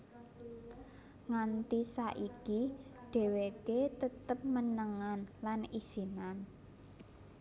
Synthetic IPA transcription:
ŋant̪isaʔikiɖ̥ɛ̤weket̪ət̪əp̚mənəŋanlanisinan

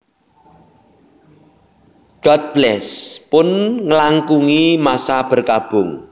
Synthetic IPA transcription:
ɡ̥ɔt̪̚b̥lɛspʊnŋəlaŋkuŋimasab̥ə̤rkab̥ʊŋ

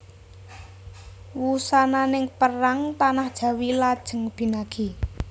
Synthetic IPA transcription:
wusananɪŋpəɾaŋt̪anahd̥ʒ̥a̤wilad̥ʒ̥ə̤ŋb̥i̤naɡ̥i̤

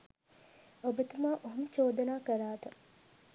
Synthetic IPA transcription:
obɐt̪umaːʔoɦumt͡ʃoːd̪ɐnaːkɐɾaːt̪ɐ

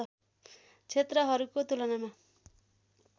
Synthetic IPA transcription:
ʌ | t͡sʰet̪rʌɦʌɾukot̪ulʌnama

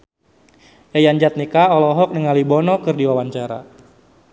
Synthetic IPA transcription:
jajaɲd͡ʒat̪̚nikaɔlɔɦɔk̚nəŋalibɔnɔkɨrdiwawaɲt͡ʃaɾa̰

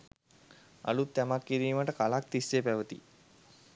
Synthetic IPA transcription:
a̰lut̪ːæmakːiɾiːməʈəkalak̚t̪isːepæʋət̪ḭ

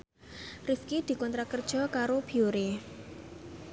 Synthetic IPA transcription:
rifkid̪̥i̤kɔnt̪ɾakərd̥ʒ̥ɔ̤kaɾob̥iuɾe

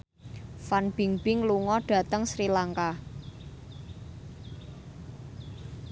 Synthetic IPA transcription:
fanb̥i̤ŋb̥ɪŋluŋɔɖ̥ä̤t̪əŋsɾilaŋka

